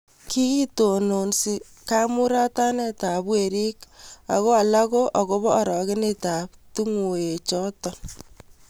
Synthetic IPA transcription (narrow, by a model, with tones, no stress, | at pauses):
ki˦ki˦to˨no˨nsi˨ | ka˦mu˦ɾa˦ta˦ne˦ta˨bwe˨ɾi˦ka̰˨ɣo˦a˨la˦ko˦ʔa˨ko˦βɔː˦˨ɾɔ˨ke˦ne˦ta˨p̚tu˦ŋwo˨e˨t͡ʃɔ˦tɔ˨n